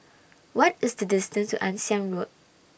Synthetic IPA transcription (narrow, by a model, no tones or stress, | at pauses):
wɔt̚ɪsdədɪstə̃ntṵʔãnsiãnɹot̚